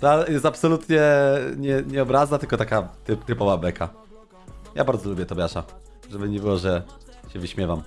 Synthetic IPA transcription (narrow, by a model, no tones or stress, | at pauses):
t̪ajɛst̪apsɔlut̪ɲɛɲɛɲɛɔbɾaznat̪ɘlkɔt̪akat̪ɘpt̪ɘpɔvablɛkʰa | jabaɾd̪zɔlubʲjɛt̪ɔbʲjaʂa | ʐɛbɘɲɛbɘwɔʐɛ | ɕɛvɘɕmʲjɛvam